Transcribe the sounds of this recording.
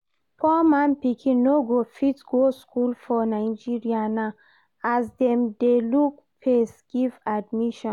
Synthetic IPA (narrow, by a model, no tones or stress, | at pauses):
pʰɔmãnpikʰĩnoɡofitɡoskulfɔnajd͡ʒiɹiana | azdɛmdeluk̚ | pʰesɡ̥ivadmiʃɔ̃